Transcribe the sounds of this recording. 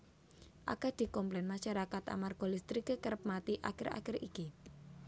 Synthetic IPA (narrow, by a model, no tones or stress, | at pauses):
ʔa̰kad̪̥i̤kɔmplɛnmaʃaɾakat̪a̰marɡ̥olist̪ɾikəkəɾəp̚mat̪iʔakɪɾa̰kɪɾiki